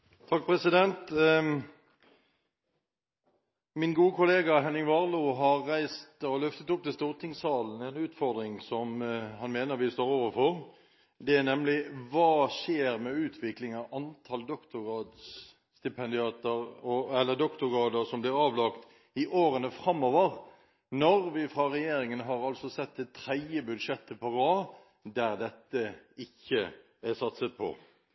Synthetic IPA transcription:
t̪ʰɑk̚pʰɾɛsɪd̪ɛnt̪ | mɪnɡuːəkʰʊleːɡɑɦɛnɪŋʋɑʁluːɦɑɾːæɪst̪ɔlʏft̪ət̪ʊp̚t̪ɪst̪uːʁt̪ʰɪŋsɑːln̩ɛnʉːt̪fɔʁd̪ɾɪŋsɔmhɑnmeːnəʁɾʋɪst̪oːɾoːʋəfɔʁ | d̪ɛæʁnɛmlɪʋɑːʃeːɾmɛʉːt̪ʰʋɪklɪŋɑʋɑnt̪ʰɑld̪ɔkt̪ʊʁɑːd̪s | st̪ɪpʰɛnd̪ɪɑːt̪əɾɔɛlːəd̪ɔkt̪ʊɾʁɑːd̪əɾsɔmblɪɾɑːʋlɑkt̪ | ɪʔoːɾənəfɾɑmːoːʋəɾ | nɔɾʋɪfɾɑɾɛjeːɾɪŋənɦɑɾɑlsɔsɛt̪ːɛt̪ʰːɾɛd̪jəbʉd̪ʂɛt̪ːəpʰɔʁɑː | d̪æɾd̪ɛt̪ːəɪçːə | æsɑt̪sət̪̚pʰɔ̰

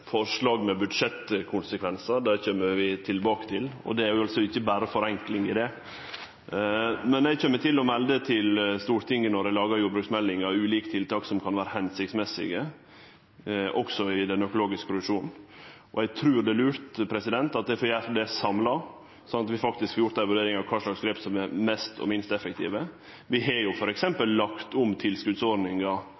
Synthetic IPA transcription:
fɔɾʂlɑːɡmɛbʉd̪ʂɛt̪kʰʊnsəkʰʋɛnsəd̪æɾçømːəɾʋɪt̪ʰɪlbɑːkə̥t̪ʰɪlɔ̰d̪ɛæɾjʊɑlsɔɪçːəbæːɾəfɔɾɛŋklɪŋɪd̪ɛ | mɛnæɪçømːət̪ɪlːɔmɛld̪ət̪ʰɪlst̪uːɾt̪ʰɪŋːənɔɾælɑːɡɑɾjuːbɾʉːksmɛlːɪŋɑʉːliːkə̥t̪ʰɪlt̪ɑːksɔmkʰɑnʋæːɾəhɛnsɪçt̪smɛsɪ̰ɡə | ʔɔksɔɪd̪ɛnœkʊloːɡɪskkʰʊɾʉʂuːn | ʔɔɛt̪ʰɾʉːɾɖ̪ɛlʉːɾt̪pʰɾɛsɪd̪ɛnt̪ɑt̪̚d̪ɛɪfɔjæːfd̪ɛsɑmlɑ | sɑnɑt̪ʋɪfɑk̚t̪ɪskhɑɾjʊʈt̪æɪʋʉɾɖeːɾɪŋɑʋkʰɑːʂlɑksɡɾɛp̪sɔmɛɾmɛst̪ʰɔ̰mɪnst̪ɛfək̚t̪ʰḭːʋə | ʋɪɦɑɾjʊfɔɾɛksɛmpəlːɑkt̪ʊmt̪ʰɪlskʉd̪sɔɾnɪŋɑ

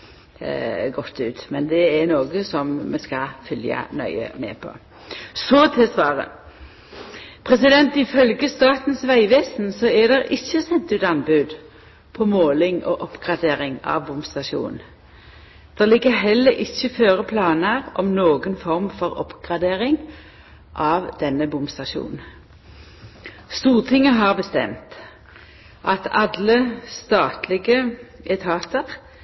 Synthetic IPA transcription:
ɡɔt̪ːʉːt̪mɛnd̪ɛɛnoːɡəsɔmmɛskɑfʏljə̰nœ̰ʏə̰mɛ̰pʰɔ̰ | sɔt̪ʰɪsʋɑːʁə̰ | pʰʁɛsɪd̪ɛnt̪ɪfœlɡəst̪ɑːt̪n̩sʋæɪʋeːsnsɔæd̪ɛʁɪçːəsɛnt̪ʉːt̪ɑnbʉːd̪ | pʰɔmoːlɪŋɔʔɔpɡ̥ʁɑd̪eːɾɪŋɑ̰ʋbʊmst̪ɑʂṵːnn | d̪̥ɛʁlɪɡːəʁɦɛlːəɾʔɪçːəføːʁəpʰlɑːnəʁɔ̰mnoːɡənfɔʁmfɔʁɔ̰pɡ̥ʁɑd̪eːʁɪŋ | ʔɑʋd̪̥ɛnːəbʊmst̪ɑʃṵːnn̩ | st̪uːʁt̪ʰɪŋːəɦɑʁbəst̪ɛ̰mt̪ | ʔɑt̪ʰɑd̪ləst̪ɑːt̪lɪɡəʔɛt̪ʰɑːt̪əʁ

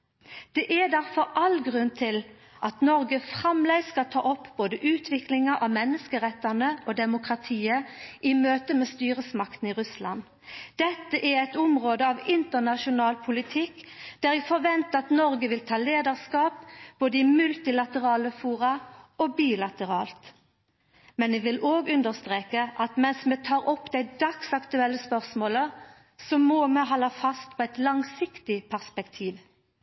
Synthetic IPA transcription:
d̪̥ɛʔæd̪æʁfɔɾɑlɡʁʉnt̪ʰɪl | ʔɑt̪nɔʁɡəfʁɑmlæɪskɑt̪ʰɑːʔɔpːboːd̪əʔʉːt̪ʰʋɪklɪŋɑʔɑʋmɛnːəskəʁɛt̪ːɑnəod̪ɛmʊkʁɑt̪ʰiːəʔɪmøːt̪əmeːst̪yːʁəsmɑkt̪n̩ɪʁʉslɑ̰n | d̪̥ɛt̪ːəʔæɾɛɪt̪ʊmʁoːd̪əɑːʋɪnt̪ənɑʃʊnɑːlpʰʊlɪt̪ʰɪkːd̪̥æɾjæfɔʋɛnt̪əɑt̪nɔɾɡəʋɪlt̪ʰɑːleːd̪əʁskɑːp̚b̥oːd̪əɪmʉlt̪ɪlɑt̪əʁɑːləfuːʁɑɔbiːlɑt̪əɾɑːlt̪ | mɛnʋɛʋɪloːɡʉnd̪əʁst̪ʁeːkəʔɑt̪mɛnsmet̪ʰɑːɾɔpːd̪æɪd̪ɑksɑkt̪ʉɛlːəspœʁsmoːlə | sɔmoːmɛɦɔːlːɑfɑst̪̚pʰɔɛɪt̪lɑŋsɪkt̪ɪpʰæʁspɛkt̪ʰiːʋ

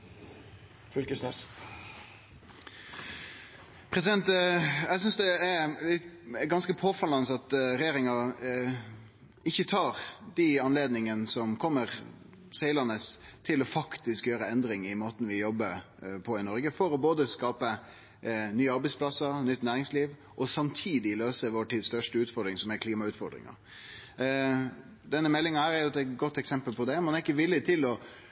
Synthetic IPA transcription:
fʉlkəsnɛs | pʰɾɛsɪd̪ɛnt̪æɡs̬ʏnsd̪ɛæɾlɪt̪ɡɑnskəpʰoːfɑlɑnəsɑt̪ɾɛjeːɾɪŋɑ | ɪçːət̪ʰɑːɾd̪ɪɑnleːd̪nɪŋənəsɔmkʰɔmːəʁ | seɪlɑnəst̪ʰɪlɔfɑkt̪ɪskjøːɾəɛnd̪ɾɪŋɪmoːt̪n̩ʋɪjɔbːəɾ | pʰɔɪnɔɾɡəfɔɾɔboːd̪əskɑːpə | nyːəɑɾbæɪspʰlɑsːəɾnʏt̪ːnæːɾɪŋsliːʋ | ʔɔsɑmt̪ʰiːd̪ɪløːsəʋoːʈiːd̪st̪œʂʈəʉːt̪fɔɾd̪ɾɪŋsɔmɛkʰliːmɑʉːt̪fɔ̰ɾd̪ɾɪ̰ŋɑ̰ɾ | d̪ɛnːəmɛlːɪŋɑhæːɾæɾjʊɛt̪ɛɡɔt̪ːɛksɛmpəlpʰɔd̪ɛmɛnæɾɪkːəʋɪlːɪt̪ʰɪlɔ

